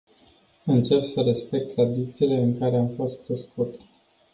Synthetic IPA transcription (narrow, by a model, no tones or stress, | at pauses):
ɨnt͡ʃe̞rksəɾe̞spe̞k̚t̪ːɾad̪it̪siːle̞ɨŋkaɾe̞amfo̞st̪̚ɾeskut̪e̥